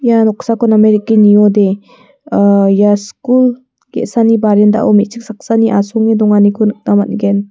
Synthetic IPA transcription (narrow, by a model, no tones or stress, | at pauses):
janɔk̚sakɔnameɾikːinijɔde | jaskul | ɡḛsanibaɾenda̰ʔɔmit̚t͡ʃʰik̚sak̚saniʔasɔŋedɔŋanikʰunɯk̚namat̚ɡɛn